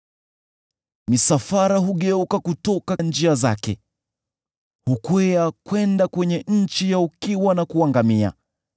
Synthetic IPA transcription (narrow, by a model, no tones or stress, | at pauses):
misafaɾaɦuɠɛukakutɔkand͡ʒiaza̰kɛ̰ | hukwɛakwɛndakwɛɲɛɲ̩t͡ʃijaukiwanakuaŋɡamia̰